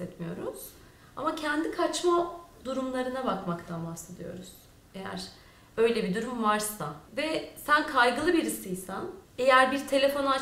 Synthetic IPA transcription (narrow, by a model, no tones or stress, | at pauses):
ɛt̪mijo̞ɾuz̥ | a̰macʰɛnd̪ikʰat͡ʃmad̪uɾumlˠaɾɯnabakmakt̪ʰanbahse̞d̪ijo̞̰ɾuz̥ | ejæ̰ɾ̥ | ø̞jlʲɛbid̪uɾumvaɾsavɛsænkʰajɡɯlˠɯbiɾisɯjsænejæɾbiɾt̪ʰe̞lʲe̞fo̞na